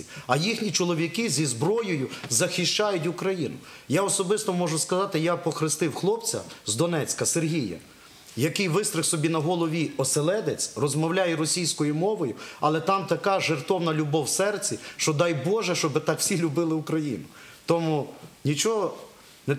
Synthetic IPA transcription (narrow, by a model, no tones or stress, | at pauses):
iɐjixnʲit͡ʃɔlˠɔʋʲikɪzʲizbɾɔjɔjʊzɐxɪʃt͡ʃajʊt̬ʲʊkɾɐjinʊ | jaɔsɔbɪst̪ɔmɔʒʊskɐzɑt̪ɪjapɔxɾɪst̪ɪwxlˠɔpt͡sʲɐ̰zd̪ɔnɛt͡sʲkɐserɦʲijɐ̰ | jɐkɪjʋɪst̪ɾɪxsɔbʲinɐɦɔlˠɔʋʲiɔselˠɛd̪et͡sʲrɔzmɔwlʲajɛɾɔsʲijsʲkɔjʊmɔʋɔjʊɐ̰lˠɛt̪ɑmt̪ɐkɑʒert̪ɔwnɐlʲʊbɔwsɛrt͡sʲiʃt͡ʃɔd̪ɑjbɔʒɛʃt͡ʃɔbɪt̪ɑkw̥sʲilʲʊbɪlˠɪʊkɾɐjḭnʊ | t̪ɔmunʲit͡ʃɔɦɔ | nɛ